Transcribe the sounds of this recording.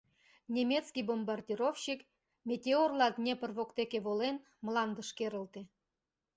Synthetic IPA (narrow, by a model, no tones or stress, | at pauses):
nʲemʲet̪t͡skʲijbombɑrdʲiɾofɕik | mʲetʲeorlˠɑd̪nʲepə̆rβokt̪ekʲeβolen | məlˠɑnd̪ə̆ʃkeɾə̆lt̪e